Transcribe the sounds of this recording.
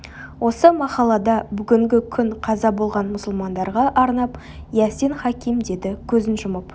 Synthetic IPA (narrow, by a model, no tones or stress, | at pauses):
wo̞səmɑqɑlˠɑd̪ɑbʏɡʲɪŋɡʲɪkʲʰʏɴqʰɑzɑbo̞lˠʁɑnmʊsəlˠmɑnd̪ɑɾʁɑʔɑɾnɑp | jæsenχɑkʲijmd̪e̞d̪ɪkʲʰɵzɪnʒʊməp